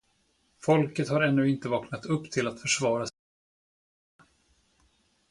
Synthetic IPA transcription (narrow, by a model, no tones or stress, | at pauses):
fɔlkət̪haɾɛnːɵːɪnt̪əvɑːknat̪ɵpːt̪ʰɪlat̪fœʂvɑːɾa